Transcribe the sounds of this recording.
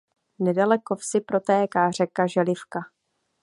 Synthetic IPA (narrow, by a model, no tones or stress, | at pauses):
nɛdalɛkofsɪpɾo̞t̪ɛːkaːr̝ɛkaʒɛlɪfka